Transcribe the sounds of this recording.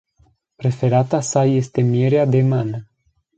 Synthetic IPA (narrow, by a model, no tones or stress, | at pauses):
pɾe̞fe̞ɾat̪asaje̞st̪e̞mieɾead̪e̞manə